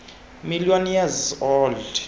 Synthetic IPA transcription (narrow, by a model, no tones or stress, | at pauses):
milijɔnjɛzɔːld